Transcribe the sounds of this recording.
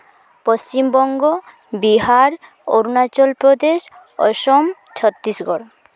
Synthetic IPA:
post͡ɕimbɔŋɡo | biɦaɾ | o̰ɾunat͡ɕɔlpɾod̪eʃ | ɔ̰ʃom | t͡ɕʰɔt̪ːisɡɔɾ

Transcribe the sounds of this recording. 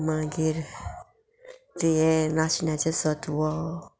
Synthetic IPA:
mãɡeɾ | tijɛnasonat͡ʃesɔtuwɔ

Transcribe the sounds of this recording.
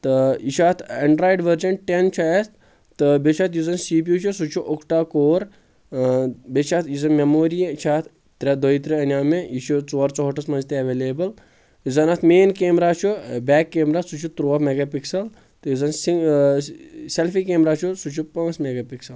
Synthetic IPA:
t̪ɨiʃʰaːt̪ʰɐɳɖɾaːjɖʋəɾd͡ʒɐnʈent͡ʃʰast̪ | t̪ɨbet͡ʃʰaːt̪jizɐnsiːp̬iut͡ʃʰusut͡ʃʰuʔokʈaːkoːɾ | bet͡ʃʰaːt̪ʰjizɐnmemoːɾijɐit͡ʃʰaːt̪ʰ | t̪ɾʲɐd̪oit̪ɾiɐnʲjaːmeiʃut͡soːɾt͡soːʈɐsmɐnd͡ʒt̪eɐʋeːleːbɐl | izɐnaːt̪ʰmeːnkeːmɾaːt͡ʃʰubɛːkːeːmɾaːt̪sut͡ʃʰut̪ɾoːmeɡapiksɐl | t̪ɨjizɐnsi | selfikeːmɾaːt͡ʃʰusut͡ʃʰupɐ̃ːsmeɡaːpiksɐl

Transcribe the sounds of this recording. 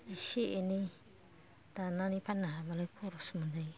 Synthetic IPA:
iʃeʔenĩ | t̪anãnĩpanãmalakʰuɾosmũnd͡ʒai

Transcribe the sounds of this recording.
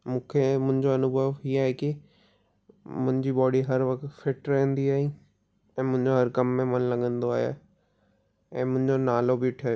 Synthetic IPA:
mũːkʰemʊ̃ɦɪ̃ɲd͡ʑoɐnʊbʱəʋɦiaːɦeki | mʊ̃ɪ̃ɲd͡ʑibɔːɽiɦɐɾʋɐkʰt̪fʰɪʈɾɛɦə̃nd̪iaːɦĩː | ɛ̃ːmʊ̃ɦɪ̃ɲd͡ʑoɦɐɾkɐmːẽmɐnlɐɠə̃nd̪oaːɦja̰ | ɛ̃ːmʊ̃ɦɪ̃ɲd͡ʑonaːlobʱiʈʰe

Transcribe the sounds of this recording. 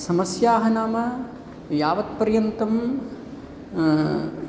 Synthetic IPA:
sɐmɐsjaːɦɐnaːmɐ | jaːʋɐt̪pɐɾjɐnt̪ɐm

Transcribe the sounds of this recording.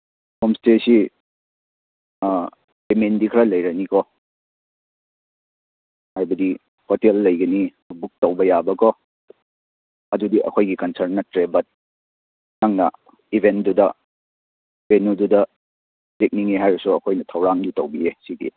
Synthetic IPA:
komstesi | pemendikʰɐɾɐlɐjɾɐnikɔ | hajbɐdi | hotelːɐjɡɐni | buk̚towbɐjabɐkɔ | ɐdudiʔɐ̰kʰojɡikɐnsɐɾnːɐtɾebɐt̚ | naŋnɐ̰ | ibʱendudɐ | penududɐ | ɾek̚niŋeɦajɾɐsuɐkʰojnɐtʰɐwɾaŋdutowbiesidḭ

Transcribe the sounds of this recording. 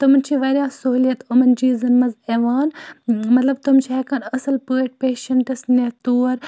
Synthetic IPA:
t̪umɐnt͡ʃʰiʋɐɾʲjaːsoɦlijɐt̪ʊmɐnd͡ʒiːzɐnmɐzeːʋaːnmɐt̪lɐbt̪umt͡ʃʰiɛkaːnɐsɨlpɨːʈ̚peːʃɐɳʈɐsnet̪uːɾ

